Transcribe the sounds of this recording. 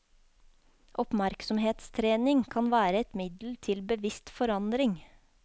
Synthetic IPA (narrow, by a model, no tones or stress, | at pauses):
ʔɔpmæɾksɔmheːt̪st̪ʰɾeːnɪŋkʰɑnʋæːɾəɛt̪mɪd̪l̩t̪ʰɪlbəʋɪst̪fɔɾɑnd̪ɾɪŋ